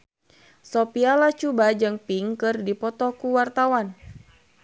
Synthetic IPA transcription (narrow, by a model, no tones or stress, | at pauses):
sɔpialat͡ʃubad͡ʒɨŋpiŋkɨrdipɔt̪ɔkuwart̪awan